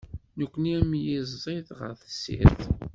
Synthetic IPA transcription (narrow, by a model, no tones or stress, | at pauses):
nəkʷːəniæmjizːˤiðʁə̰ɾθə̥sːḭθ